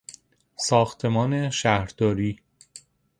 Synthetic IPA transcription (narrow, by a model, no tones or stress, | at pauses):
sɒːxt̪ʰe̞mɒːne̞ʃæhɾd̪̥ɒːɾiː